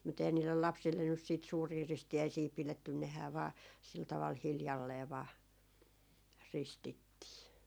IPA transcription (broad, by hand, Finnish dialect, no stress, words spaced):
mut ehæn niːlːel lɑpsilːen nys siːt suːriː ristiæisiː piletːyn nehæː ʋɑː sil tɑʋɑl hiljɑlːeː ʋɑː ristitːiː